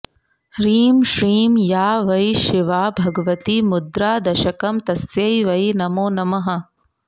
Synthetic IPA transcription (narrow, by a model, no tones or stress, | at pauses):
ɾiːmʃɾiːmjaːʋɐjʃiʋaːbʱɐɡɐʋɐt̪imud̪ɾaːd̪ɐʃɐkɐmt̪ɐsjɐjʋɐjnɐmoːnɐmɐɦɐ̆